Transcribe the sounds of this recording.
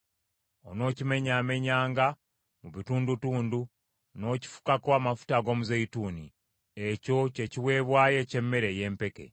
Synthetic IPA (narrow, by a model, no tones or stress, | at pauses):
ono̞ːcime̞ɲaːme̞ɲaːŋɡa | muβituːndutuːndu | no̞ːci̥fu̥kakoamafu̥taɡo̞ːmuzeituːni | eco̞ce̞ciwe̞ːβwaːje̞ce̞mːe̞ɾe̞je̞ːmpe̞ke̞̰